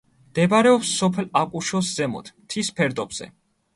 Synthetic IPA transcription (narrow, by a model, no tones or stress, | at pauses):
md̪̥ɛbaɾɛɔpsːɔpʰɛlakʼuʃɔszɛmɔ̰t̪ʰmt̪ʰispʰɛɾd̪ɔbz̥ɛ̰